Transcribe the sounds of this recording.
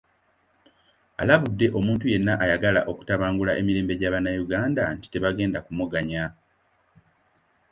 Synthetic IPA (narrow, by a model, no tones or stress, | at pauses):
a̰laβudːe̞ʔo̞muːntuje̞nːaʔajaɡala̰ʔo̞ku̥taβaːŋɡulaʔe̞miɾeːmbe̞ɟaːβanːajuɡaːndanti̥te̞βaɡe̞ːndakumuɡaɲa